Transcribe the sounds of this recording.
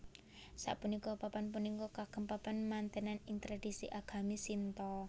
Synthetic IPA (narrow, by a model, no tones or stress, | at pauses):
sa̰ʔpunikɔpapanp̬unikɔkakəmpapanmant̪enanint̪ɾad̥isiʔaɡ̥a̤misint̪ɔ